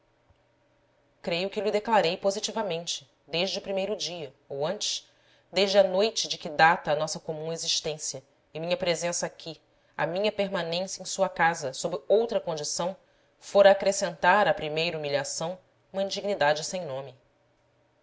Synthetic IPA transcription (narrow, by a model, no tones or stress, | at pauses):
kɾejʊkɪlɪd̪eklaɾejpozit͡ʃivɐmẽnt͡ʃɪ̥ | d̪eʒd͡ʒɪʊpɾimejɾʊd͡ʒiɐ | owɐ̃nt͡ʃɪ̥ʃ | d̪eʒd͡ʒɪɐnojt͡ʃɪd͡ʒɪkɪd̪at̪ɐːnɔsɐkomũeziʃt̪ẽsijɐ | ɪmĩɲɐpɾezẽsɐakʲʰi | ɐ̰mĩɲɐpeɾmanẽsjɐẽj̃suɐkazɐsobɪowt̪ɾɐkõd͡ʒisɐ̃w̃ | foɾɐːkɾesẽnt̪aɾɐpɾimejɾɐumiʎʲasɐ̃w̃ | ũmɐĩnd͡ʒiɡnid̪ad͡ʒɪsẽj̃nõmɪ